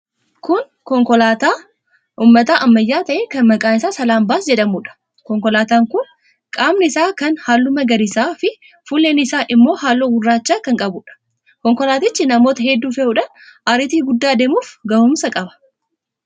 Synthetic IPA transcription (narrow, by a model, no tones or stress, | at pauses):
kʊn | kɔŋkɔlaːt̪aː | ʔuːmːɐt̪aːʔɐmːɐjːaːt̪ɐʔeːkɐnmɐkʼaːnɪsaːsɐlaːmbaːsd͡ʒɛᶑɐmuːᶑɐ̥ | kɔŋkɔlaːt̪aːŋkʊn | kʼaːmnɐɪsaːkɐnhaːlːʊmɐɡɐɾɪsaːfɪ | fuːleːnɪsaːʔɪmːo̞ːhaːlːoːɡʊrːaːt͡ʃːaːkɐŋkʼɐbʊᶑɐ̥ | kɔŋkɔlaːt̪ɪt͡ʃːɪnɐmo̞ːt̪ɐhɛd̪ːuːfɛʔuᶑɐʔaɾɪt̪iːɡʊd̪ːaːd̪eːmuːfɡɐhʊmsɐkʼɐbɐ̥